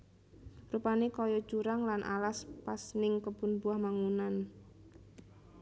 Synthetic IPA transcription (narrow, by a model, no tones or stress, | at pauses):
rupanekɔjɔ̥d͡ʒuɾaŋlanʔa̰laspasnɪŋkəb̥ʊnbuahmaŋunan